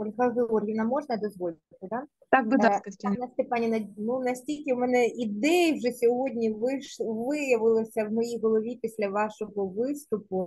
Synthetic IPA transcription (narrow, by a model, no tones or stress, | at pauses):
ɔlʲɦɐɦɪɔrʲɣʲinɐmɔʐnɐd̪ɔzʋɔlʲɪʋɐt̪ɪd̪ɑ | t̪ɑkbɨat̪ɐnɐsʲt̪epɑnʲinɐnunɐsʲtʲilʲkʲɪmɛnɛʔid̪ɛjwʒɛsʲɔɦodʲnʲiʋɪʃʋɪjɐʋɪlˠɔsʲɐwmɔjiɦɔlˠɔʋʲipʲisʲlʲɐʋɑʃɔɣɔʋɪst̪ʊpʊ